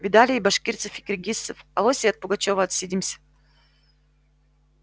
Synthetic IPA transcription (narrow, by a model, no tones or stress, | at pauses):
vʲɪd̪alʲɪjibɐʂkʲirt̪sɨfikɾʲɪɡʲisːɨfɐ̰lˠosʲɪɐt̪̚pʊɡɐt͡ɕovəːt̪sʲidʲimsʲə̥